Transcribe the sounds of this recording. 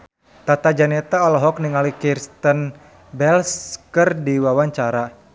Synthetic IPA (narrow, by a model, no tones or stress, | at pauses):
t̪at̪ad͡ʒanɛt̪aɔlɔɦɔk̚niŋalikirst̪ən | bɛlskɨrdiwawaɲt͡ʃaɾa